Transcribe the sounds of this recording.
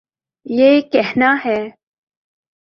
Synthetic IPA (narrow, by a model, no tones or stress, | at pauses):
jekeɦnaɦɛː